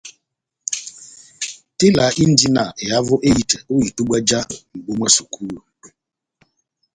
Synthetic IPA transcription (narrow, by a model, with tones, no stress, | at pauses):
tɪ˦la˨˦ʔi˦n̩˦di˦na˨ɪ˨a˦vʊ˦ʔe˦ji˨tɛ˨o˦i˨tu˦ɡ͡ba˦d͡ʒa˦ŋ͡m̩˨ɡ͡bo˦mʷa˦su˨kʰu˦ɾu˨